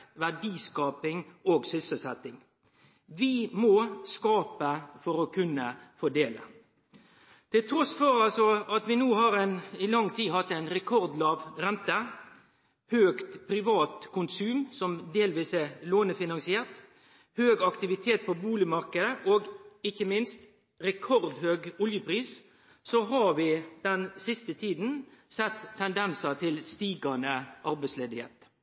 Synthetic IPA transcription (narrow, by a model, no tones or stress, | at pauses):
ʋæɖiːskɑːpɪŋoːɡsʏsəsɛt̪ːɪŋ | ʋɪmoːskɑːpəfɔɾɔkʰʉnːəfɔɖeːlə̰ | t̪ʰɪlt̪ʰɾɔsfɔɾɑlsɔɑt̪ʋɪnuːhɑɾɛnɪlɑŋːt̪ʰiːɦɑt̪ːɛɪnɾɛkʰɔɾd̪lɑːʋɾɛnt̪ə | høːkt̪pʰɾɪʋɑːt̪kʰʊnsʉːmsɔmd̪eːlʋiːsɛloːnəfɪnɑŋsɪɛʁt̪ | høːɡɑkt̪ɪʋɪt̪ʰeːt̪̚pʰɔbuːlɪmɑɾkəd̪əʔoːɡɪçːəmɪnst̪ | ɾɛkʰɔɾd̪høːɡʊljəpʰɾiːs | sɔɦɑɾʋɪd̪̥ɛnsɪst̪ət̪ʰiːd̪n̩sɛt̪ʰːɛnd̪ɛnsət̪ʰɪlst̪iːɡɑnəʔɑɾbɛɪsleːd̪ɪhḛːt̪